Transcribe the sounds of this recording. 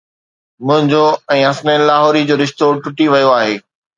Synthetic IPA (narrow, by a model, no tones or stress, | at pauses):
mʊ̃ɦɪ̃ɲd͡ʑoɛ̃ːɦɐsnəlaːɦɔːɾid͡ʑoːɾɪʃt̪oːɾʈʊʈiʋɐjoaːɦeː